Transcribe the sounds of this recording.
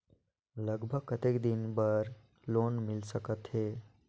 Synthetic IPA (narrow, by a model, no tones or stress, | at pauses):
ləɡbʱəɡ̚kət̪ekd̪inbəɾ | lonmɪlsəkət̪ɦeː